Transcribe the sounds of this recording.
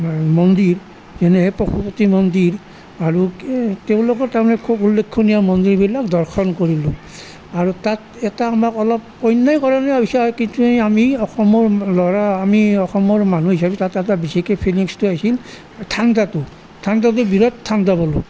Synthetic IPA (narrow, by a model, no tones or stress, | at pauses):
mɔndiɹ | zɛnɛɦɛpɹɔkʰupotimɔndiɹ | aɹuteʊ̃loɡɔtamanɛkʰobulːekʰːɔnijamɔndiɹbilak̚dɔɹxʰɔnkoɹilʊ̃ | aɹutat | ɛtaːmakɔlɔp̚ | ɔjnːajkɔɹanabisaɦɔjkintueamiɔxɔmɔɹlɔɹaːmiɔxɔmɔɹmanuɦisabɛtatɛtabisikɛpʰiliŋstuajsil | tʰandatʊ | tʰandat̬ʊbiɹɔttʰːandabɔlʊ̰